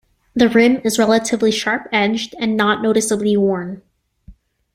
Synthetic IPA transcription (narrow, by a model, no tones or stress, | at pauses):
ðɨɹʊ̃mɨzɹɛlˠəɾɨvliʃɑɹpɛd͡ʒdɨ̃nːəʔⁿnoʊɾɨsəbliwɔɹn